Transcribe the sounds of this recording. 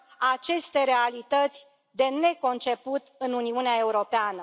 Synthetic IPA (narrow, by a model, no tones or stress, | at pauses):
at͡ʃe̞st̪e̞ɾe̞alit̪ət̪sʲ | d̪e̞ne̞ko̞nt͡ʃe̞put̪ɨnuniuneae̞uɾo̞peanə